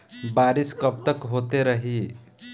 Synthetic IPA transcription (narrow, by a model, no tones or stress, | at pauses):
baɾiskəp̚t̪əkɦot̪eɾəɦi